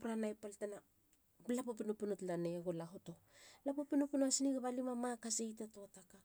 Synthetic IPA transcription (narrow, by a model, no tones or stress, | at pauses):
pɾanajpaltena | blapopinopinutlaneɡolaɦoto̞ | lapopinopinoasiniɡaβalimamakasejtatoataka